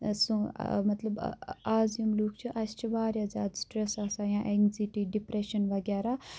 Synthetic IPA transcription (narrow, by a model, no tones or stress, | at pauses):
sũmɐt̪lɐb̰aːzjumluːk̚ʰt͡ʃʰuʔast͡ʃʰibaːɾʲjazʲaːd̪sʈɾesaːsajãʔeŋziʈiɖipɾeʃɐnʋɐɡʲaːɾa